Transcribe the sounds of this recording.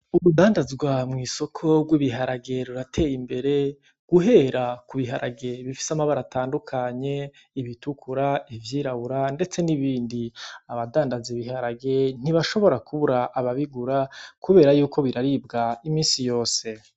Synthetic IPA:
uɾudaːndazɡwamŋiːso̞kʰo̞ɡwiβiɦaɾaɡe̞ɾuɾatʰe̞ːjimbe̞ɾe̞ | ɡ̥uɦe̞ɾakuβiɦaɾaɡe̞βifi̥samaβaɾatʰaːndukʰaɲe̞ | iβitukʰuɾaivjiːɾaβuɾande̞t͡se̞niβiːndiaβadaːndazeβiɦaɾaɡe̞n̥iβaʃo̞βo̞ɾakʰuβuɾaʔːβaβiɡuɾakuβe̞ːɾajuːkʰo̞βiɾaɾibɡaimiːnsijo̞ːse̞

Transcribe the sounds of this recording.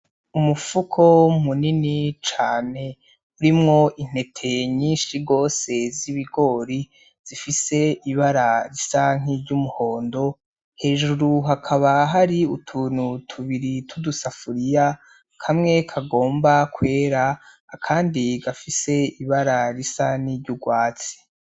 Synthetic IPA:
umufukʰo̞muninit͡ʃaːne̞ | uɾimŋo̞ʔin̥e̞tʰe̞ɲiːnʃiɡo̞ːse̞ziβiɡo̞ːɾi | z̥ifise̞iβaɾaɾisaŋ̥iɾɟumuho̞ːndo̞ | he̞ːʒuɾuɦakʰaβaɦaɾiutʰunutʰuβiɾitʰudusafuɾija | kʰamŋe̞kʰaɡo̞ːmbakwe̞ːɾaː | kʰaːndiɡafise̞iβaɾaɾisaniɾɟuɡwaːt͡si̥

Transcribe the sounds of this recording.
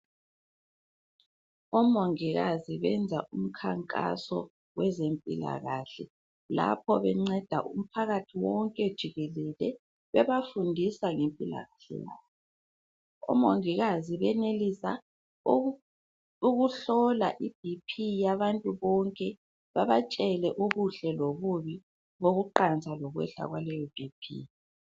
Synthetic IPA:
ɔmoŋiɣaziβɛnd͡zʱaʔum̩kʰaŋkʼa̰sɔ̰ | wɛzempʼila̰ɣaɬɛ | la̰pʰɔβɛŋ͡ǀɛd̥ʱaʔum̩pʰaɣatʰiwɔŋkʼɛd̥ʒ̥ʱiɣɛlɛlɛ | βɛβafundʱisaŋempʼila̰ɣaɬɛ̰ja̰ːβɔ | ɔ̰moŋiɣaziβɛnelisa | uɣuɬɔla̰ʔib̥̚ʱipʰijaβantʼuβɔŋkʼɛ | βaβat͡ʃʼɛlɛʔuβuɬɛloɣuβi | βoɣuǃant͡sʼalɔɣwɛ̰ɬa̰ɣwalɛjɔb̥ʱipʰḭ

